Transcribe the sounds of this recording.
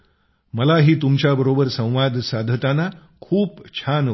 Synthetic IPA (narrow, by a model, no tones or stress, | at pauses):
məlaɦiːt̪umt͡ɕjabəɾobəɾsə̃w̃ʋad̪ʱsad̪ʱət̪ana | kʰuːpt͡ɕʰan